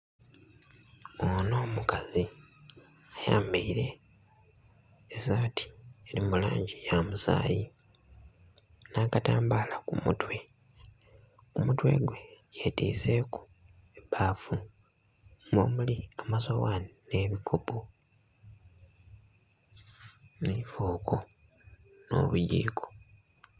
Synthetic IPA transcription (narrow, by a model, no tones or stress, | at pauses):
ono̞ːmukazi | aja̰ːmbiiɾe̞ | zaːtʰi̥elimula̰ːɲɟijamusa̰ːji | naːkataːmbaːlakumṵtwe̞ | kumutwe̞̰ɡwe̞jetḭːze̞ku̥ | ebaːfu | mo̰ːmuliamazowanine̞ːβikʰopo | nifoːkʰo | no̞̰βuɟḭːkʰo̥